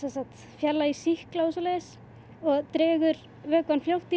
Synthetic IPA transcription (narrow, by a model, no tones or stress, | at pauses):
sɛnsat̪ | fjɛlːaisihklaos̬ɔlɛðɪs | ɔɣt̪ɾɛːɣʏɾ | vœːkvanfljowht̪i